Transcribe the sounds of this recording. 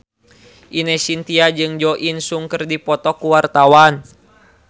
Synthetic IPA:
ʔinɛsint̪iad͡ʒɨŋd͡ʒɔʔinsuŋkɨrdipɔt̪ɔkuwart̪awan

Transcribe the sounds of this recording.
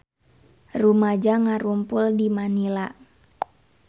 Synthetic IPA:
rumad͡ʒaŋaɾumpʊldimanila

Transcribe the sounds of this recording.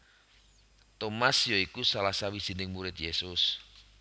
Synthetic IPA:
t̪omasjoikusalasawi̥z̥inɪŋmuɾɪt̪jesʊs

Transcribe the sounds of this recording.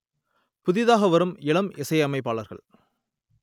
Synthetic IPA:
pʊðɪðaːɣɐʋɐɾɯmɪɭɐmɪsɐɪɐmɐɪp̬ːaːɭɐɾɣɐ̰ɭ

